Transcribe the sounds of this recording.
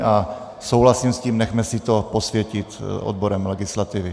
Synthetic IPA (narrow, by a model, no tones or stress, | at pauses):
ʔa | sowɦlasimsciːmnɛxmɛsɪt̪oposvjɛcɪt̪ʔo̰d̪̚boɾɛmlɛɡɪslat̪ɪvɪ